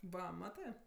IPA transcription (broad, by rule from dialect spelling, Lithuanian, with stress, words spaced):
ˈʋɐ ˈmɑːtɜ